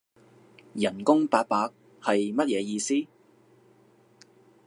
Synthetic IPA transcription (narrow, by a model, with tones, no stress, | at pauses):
jɐ˨˩nkʊ˥ŋpaː˧k̚paː˧˥k̚ | hɐ˨jmɐ˥t̚jɛː˨˧jiː˧siː˥